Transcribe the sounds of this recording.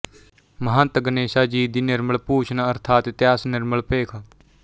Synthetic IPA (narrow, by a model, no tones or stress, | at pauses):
məɦãːt̪əɡəneːʃaːd͡ʒiːd̪iːnɪɾməɭpuːt͡ʃʰnaəɾt̪ʰaːt̪t̪jaːsnɪɾməɭpeːkʰaː